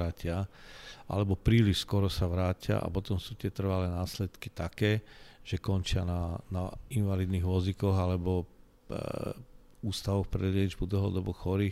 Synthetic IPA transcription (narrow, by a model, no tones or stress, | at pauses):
aːcɪaʔa̰lɛbɔpɾiːliʃskɔɾɔsaʋɾaːcɪa̰ʔa̰pɔt̪ɔmsuːt̪ɪɛt̪r̩ʋalɛːnaːslɛt̪kit̪akɛːʒ̥ɛkɔnt͡ʃɪananainʋalid̪niɣʋɔd͡zikɔɣalɛbɔ | uːst̪aʋɔxpɾɛlɛd͡ʒbud̪l̩ɦɔːd̪ɔbɔxɔɾiː